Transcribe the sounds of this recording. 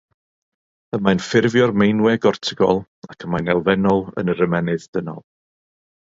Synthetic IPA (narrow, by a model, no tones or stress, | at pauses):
əmajnfɪrvjɔrmejnwɛɡɔrtʰɪɡɔ̰lˠ | akʰəmajnɛlˠvɛnɔlˠə̰nəɾəmɛnɨðd̥ənɔ̰lˠ